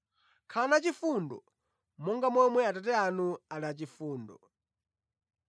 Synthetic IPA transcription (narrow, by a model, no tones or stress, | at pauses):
kʰanat͡ʃifundɔ̰ | mɔŋɡamɔmwɛatat̬ɛanualat͡ʃifuːndɔ